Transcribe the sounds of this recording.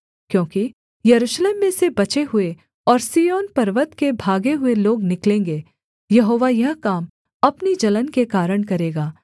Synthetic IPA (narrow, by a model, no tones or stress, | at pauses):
kjõːki | jɐɾuːʃleːmːẽsebɐt͡ʃeɦʊe | ɔːɾsiːjoːnpɐɾʋət̪kebʱaːɡeɦʊeloːɡnɪklẽːŋɡe | jɐɦoːʋajɐɦkaːm | ɐpnid͡ʒɐlənkekaːɾəɽ̃kɐɾeːɡaː